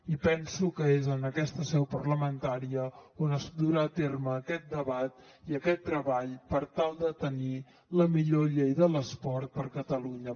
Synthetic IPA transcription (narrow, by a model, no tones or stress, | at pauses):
ipɛnsukəezənəkɛst̪əsɛwpərləmənt̪aɾiəonəzd̪uɾaːt̪erməːkɛt̪̚d̪əβat̪ | iəkɛt̪ːɾəβaʎpəɾt̪alˠd̪ət̪əni | ləmiʎoʎejðələspɔɾt̪̚pəɾkət̪əluɲə